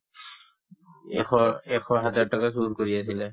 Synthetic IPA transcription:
ɛɔɛkʰɔɦɛzaɹtakas̬udkoɹias̬ilɛ

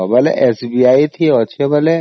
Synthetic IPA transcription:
bɐlḛʔesbiaːit̪ʰiɔt͡ʃʰebəle

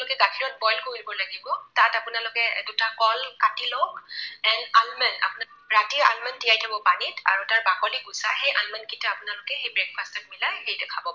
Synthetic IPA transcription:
lʊkɛɡakʰiɹɔn̚bɔjlkoilibɔlaɡibɔtatapʊnalʊkɛdutakɔlkatilɔkɛnalmɛna̰pʊna | ɹatia̰lmɛndijajtʰabɔpanita̰ɹutaɹbakɔliɡusa̰hejʔalmankitaapʊnalʊkɛxejbɹɛk̚pʰastɔt̚milajhejtɛkʰabɔ

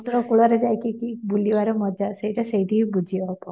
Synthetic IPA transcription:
t̪ɔɾɔkuɭaɾed͡ʒajkikibuliʋaɾɔmɔd͡ʒaseiʈaseiʈiɦibud͡ʒʱibapɔ

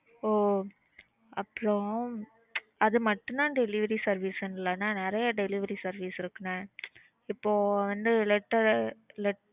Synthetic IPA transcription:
oː | ɐpːɯɾõ | ɐðɯmɐʈːɯ̃nd̪ãːɖɛlɪʋɐɾisɐɾʋiːsɛnːɯlɐnːaːnɪɾɐjɐɖɛlɪʋɐɾisɐɾʋiːsɪɾɯkːɯnẽː | ɪpːoːʋɐnd̪ɯlɛʈːɐlɛʈ

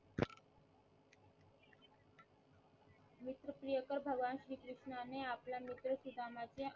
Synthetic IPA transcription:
mit̪ɾəpɾijəkəɾbʱəɡʋanɕɾiːkɾuʂɳaneaplamit̪ɾəsud̪ʱamat͡se

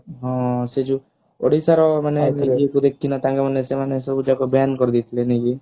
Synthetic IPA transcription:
ɦɔ̃sed͡ʒu | o̰ɽisaɾɔmaneniiekud̪ekʰːinɔt̪ãŋɡemanesemanesɔbud͡ʒakɔbɛjankɔɾd̪it̪ʰileniɡi

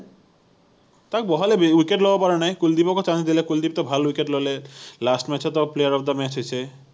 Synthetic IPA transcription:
t̪akbɔɦalebiwikeʈlobɔpaɾanajkuld̪ipɔkot͡ɕãt͡ɕd̪ilekuld̪ip̚t̪ɔbʱalwikeʈlojlelasʈmɛt͡ɕʰɔt̪ɔplejaɾɔpʰd̪amɛt͡ɕʰɦot͡ɕʰe

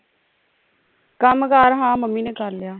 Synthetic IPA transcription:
kəmkaɾɦãːməmːiːnẽːkəɾlɪjaː

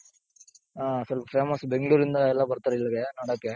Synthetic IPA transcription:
aːsɐɾɐfeːmɐsbɛŋɡɐɭuːɾɪnd̪aɛlːãːpɐɾɯt̪ːɐɾɐɪlːɐɡɐnɐɽaːpːa

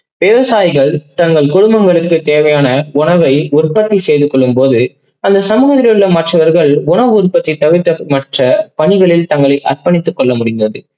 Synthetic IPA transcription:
ʋeːʋɐsaːjɪɣɐɭt̪ɐŋɡɐɭkʊɽʊmbɐŋɡɐɭɯkːɯt̪eːʋɐjaːnɐʊɳɐʋɐɪʊrpːɐt̪ːisejðɯkːɔɭːɯmpoːðɯ | ɐnd̪ɐsɐmɯɣɐðɪɾɐjɯɭːɐmɐʈrɐʋɐɾɣɐɭʊɳɐʋɯʊɾpːɐt̪ːɪt̪ːɐʋɪɾt̪ːɐmɐʈrɐpɐɳɪɣɐɭɪlt̪ɐŋɡɐɭɐɪʔɐrpɐnɪt̪ːɯkːɔɭːɐmʊɽɪnd̪ɐðɯ

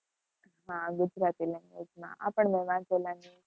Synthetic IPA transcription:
ɦãɡud͡zɾat̪iːlɛ̃ŋɡed͡ʒmã̰ʔa̰pəɳmɛʋãnt͡solãŋi

